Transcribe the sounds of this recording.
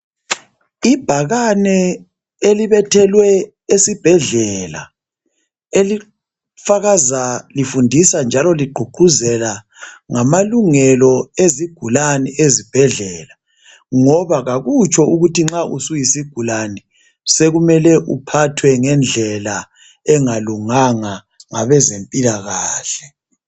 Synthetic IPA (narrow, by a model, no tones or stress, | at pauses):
ib̥ʱaɣanɛ | eliβɛtʰɛlwɛ | esib̥ʱɛɮɛla̰ | eli | faɣazalifundʱisand͡ʒʱalɔliɡ͡ǃʱuǃuzɛla | ŋamaluŋɛlɔeziɡ̥ʱulaniʔezib̥ʱɛɮɛːla | ŋɔβaɣaɣut͡ʃʰʼɔuɣutiŋ͡ǁaʔusujisiɡ̥ʱulani | seɣumɛlɛʔupʰatʰwɛŋɛnd͡ɮʱɛla | ɛŋaluŋaŋa | ŋaβɛzempʼilaɣaːɬɛ